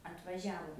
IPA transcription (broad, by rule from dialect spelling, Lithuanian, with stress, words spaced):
ɐtʋɐˈʒʲæːʋoː